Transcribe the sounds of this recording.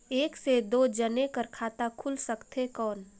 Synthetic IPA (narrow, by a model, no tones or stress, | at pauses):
eːksed̪oːd͡ʒənekəɾkʰaːt̪akʰulsəkt̪ɦekɔːn